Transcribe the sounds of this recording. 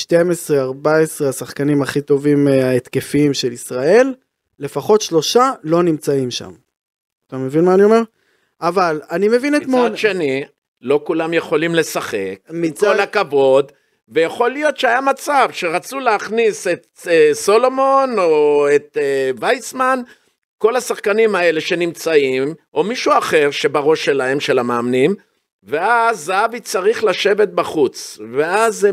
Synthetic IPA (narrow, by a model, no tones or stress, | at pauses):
ʃte̞mesʁeaʁbae̞sʁeasaχkanimaχit̪o̞vimaet̪ke̞fiimʃe̞lisʁae̞lː | e̞faχo̞t̪ʃlo̞ʃalo̞nimt͡saimʃa̰m | at̪ame̞vinmaːnio̞me̞ʁ | avalanimevinet̪moʃeni | lo̞kulamje̞χo̞limle̞saχḛkmit͡saolakavo̞d̪ | vejaχo̞lijo̞t̪ʃeajamat͡savʃe̞ʁat͡suleaχnise̞t̪ | eso̞lo̞mo̞nooet̪vajsman | ko̞lasaχkanimae̞le̞ʃe̞nimt͡saim | o̞miʃuaχe̞ʁʃe̞baʁo̞ʃːe̞lahe̞mʃe̞lamaːmnim | ve̞azavit͡saʁiχlaʃe̞ve̞t̪̚baχut͡sveaz